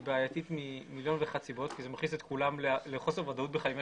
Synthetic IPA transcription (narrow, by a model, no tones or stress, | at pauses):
beajat̪it̪mimiljo̞nveχat͡sibo̞t̪kizemaχniset̪kulamleleχosevad̪aut̪̚beχaim